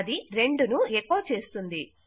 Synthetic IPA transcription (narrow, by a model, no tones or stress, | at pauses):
d̪iɾe̞ɳɖunuekːoːt͡ʃe̞ːst̪und̪i